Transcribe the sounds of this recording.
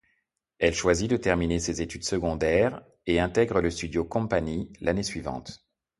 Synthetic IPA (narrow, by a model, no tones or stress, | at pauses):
ɛlʃwazid̪ət̪ɛʁminesezet̪yd̪səɡɔ̃d̪ɛːʁ | eɛ̃t̪ɛɡʁələst̪yd̪jokɔ̃paɲilanesɥivɑ̰̃t̪